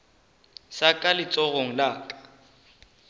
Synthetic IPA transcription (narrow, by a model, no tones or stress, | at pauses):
sakʼalɪt͡sʼɔɣoŋ̩laːkʼḁ